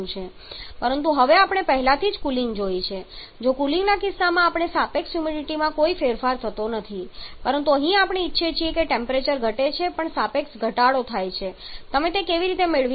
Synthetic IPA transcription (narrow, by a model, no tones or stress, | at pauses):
ũt͡ʃʰe | pəɾənt̪uɦəʋeapɳ̃epəɦlat̪ʰid͡ʒkulĩŋɡd͡ʒojt͡ʃʰe | d͡ʒokulɪ̃ŋɡnakɪsːamãːpɳ̃esapeksjumiɖiʈimãkoifeɾfaɾt̪ʰət̪onət̪ʰipəɾənt̪̬uəɦĩapɽeːtːʃʰet͡ʃʰiekeʈempɾet͡ʃəɾɡʱəʈet͡ʃʰepəɳsapeksɡʱəʈaɽot̪ʰajt͡ʃʰet̪əmet̪ekeʋiɾit̪emeɭʋi